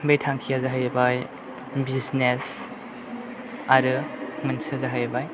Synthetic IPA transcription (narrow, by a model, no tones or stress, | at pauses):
bejtʰaŋkʰijazaɦajabaj | biznes | aɾɯmɯnsazaɦajabaj